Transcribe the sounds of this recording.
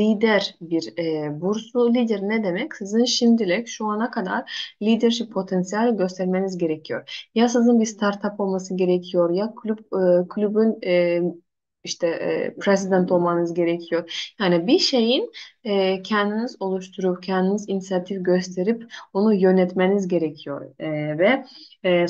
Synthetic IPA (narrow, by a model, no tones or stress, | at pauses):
lʲiːd̪æɾbiɾɛbuɾsˠulʲid̪eɾinɛd̪emɛcsizɯnʃimd̪ilʲɛcʃuanakʰad̪a̰ɾlʲid̪iɾʃippʰːo̞t̪ʰɛnsijalʲiɟø̞st̪ʰæɾme̞nizɟe̞ɾecʰijo̞ɾjasɯzɯnbist̪ʰaɾt̪ʰapo̞lˠmasɯɟe̞ɾecʰijo̞ɾjakʰlʲyp̚ːkʰlʲybynɛ | iʃt̪ʰɛ̰pʰɾesid̪ænt̪ʰo̞lˠmanɯzɟe̞ɾecʰijo̞ɾjaːnibiʃe̞jinɛːcʰɛnd̪inizo̞lˠuʃt̪ʰuɾupcʰɛnd̪inizinisijat̪ʰifɟøst̪ʰe̞ɾiponujø̞nɛt̪me̞nizɟe̞ɾecʰijo̞̰ɾvɛ